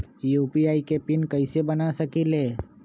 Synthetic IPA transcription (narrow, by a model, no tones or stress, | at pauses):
juːpiaːikepɪnkəɪsebənasəkileː